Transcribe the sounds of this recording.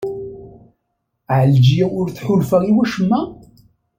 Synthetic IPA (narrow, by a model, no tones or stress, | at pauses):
ʕəld͡ʒijæʊɾθħʊlfaʁiwæʃəmːæ